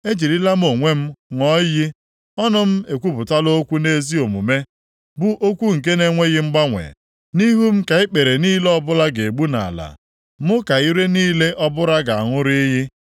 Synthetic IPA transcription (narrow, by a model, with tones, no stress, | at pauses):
e˦d͡ʒi˨ɾi˦la˦m̩˦o˨ŋʷe˦m̩˦ŋɔ˦jɪ˦ | ɔ˦nʊ˦m̩˦e˨kʷu˦bʊ˨ta˦lo˦kʷu˦ne˦zi˦o˨mṵ˨me˦ | bʊ˦ʔo˦kʷu˦ŋ̩˨k̬e˦ne˦ŋʷe˦ɣɪ˦m̩˦ɡ͡ba˦ŋʷḛ˨ | ni˦ɦu˦m̩˦ka˨ɪ˦k͡pe˨ɾe˨niː˦le˦ɔ˦bʊ˦la˦ɡe˨ɡ͡bu˦na̰˨la̰˨ | mʊ˦ka˨i˦ɾe˦niː˦le˦ʔɔ˦bʊ˦ɾa˦ɡa˨a˨ŋʊ˦ɾi˦ɦɪ˦